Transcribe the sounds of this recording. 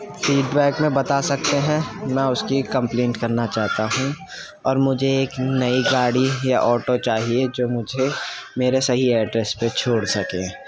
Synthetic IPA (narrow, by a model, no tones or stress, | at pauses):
fiːɖbɛːkmẽbɐt̪asɐk̚t̪eɦɛ̃mɛ̃ʊskikɐ̃mplẽːɳʈkɐɾnat͡ʃaːɦt̪aɦũ | ɔːɾmʊd͡ʒʱeeːknɐiɡaːɽijaʔɔːʈot͡ʃaːɦied͡ʒoːmʊd͡ʒʱemeːɾesɐɦiɛːɖɾɛspet͡ʃʰoːɽsɐkẽː